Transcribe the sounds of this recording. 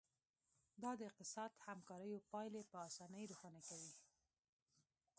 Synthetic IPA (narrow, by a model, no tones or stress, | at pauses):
d̪ɑd̪əɪq̚t̪ɪsɑd̪hamkɑɾəjopɑjlepəɑsɑnəjɾuxɑnakawi